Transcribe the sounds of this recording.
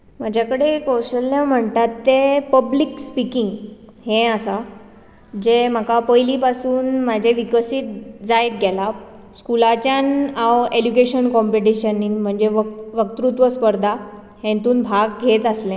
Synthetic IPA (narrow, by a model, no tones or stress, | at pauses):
mad͡ʑʱakəɽekoɕəlːam̤əɳt̪at̪ːepəblikspikiŋɡ | hẽasa | d͡ʑem̤akapəjlipasuːnmad͡ʑʱeʋikəsit̪̚d͡zajt̪̚ɡʱɛla | skulat͡ɕjanawed͡ʑukeɕənkɔmpeʈ̬iɕəninm̤əɳd͡ʑeʋʋək̚t̪ɾut̪ʋəspəɾd̪ʱa | hẽnt̪uːnbʱaɡɡʱet̪əslẽ